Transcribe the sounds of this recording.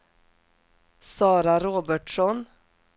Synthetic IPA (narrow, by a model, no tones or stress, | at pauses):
sɑːɾaɾoːbəʈʂɔn